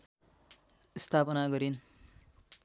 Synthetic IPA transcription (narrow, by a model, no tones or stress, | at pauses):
ist̪ʰapʌnaɡʌɾin